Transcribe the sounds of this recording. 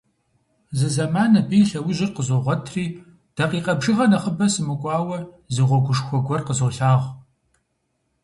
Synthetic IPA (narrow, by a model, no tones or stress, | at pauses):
zɨzɐmaːnɐbiːɬɐwʊʑɪrqəzoʁʷɔtʰriː | d̥ɐqiːqʼɐbʒɨʁɐnɐχəbɐsɨmɨkʷʼɑːwɐ | zɨʁʷɔɡʷʊʂxʷɔɡʷɔrqəzowɬaːʁ